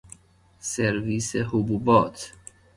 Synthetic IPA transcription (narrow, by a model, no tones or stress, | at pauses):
seɾviːseɦubuːbɒːt̪ʰ